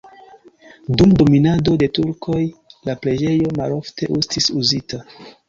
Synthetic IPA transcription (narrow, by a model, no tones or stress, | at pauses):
dumdo̞minado̞de̞tuɾkʰo̞jlapɾe̞d͡ʒe̞jo̞malo̞ftʰe̞ʔustisuzita